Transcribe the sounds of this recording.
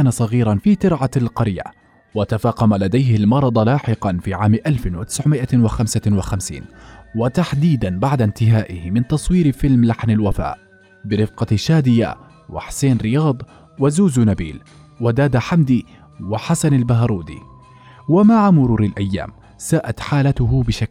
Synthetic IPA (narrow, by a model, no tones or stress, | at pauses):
aːnasˤɑɣiːɾˤɑnfiːt̪ɪɾʕalqɑɾja̰ | wat̪afɑːqɑmalad̪ajhɪlmɑɾˤɑd̪ˤlaːħɪqɑnfiːʕaːmʔalfɪnwɪt̪ɪ̥sʕʊmɪʔawɪxamsawɪxamsḭːnwɪt̪aħd̪iːd̪anbaʕd̪ant̪ɪɦaːʔɪhɪmɪnt̪ɑsˤwiːɾfɪlmlaħnalwafa̰ːʔ | bɪɾɪfqɑʃaːd̪ɪja̰ | wɪ̰ħʊ̥seːnɾɪjɑːd̪ˤ | wɪzuːznabḭːl | wad̪aːd̪aħamd̪i | wɪħasanalbaɦɾˤuːd̪ḭ | wamaʕamʊɾuːɾɪlʔajːa̰ːm | saːʔat̪ħaːlat̪ʊɦʊbɪʃak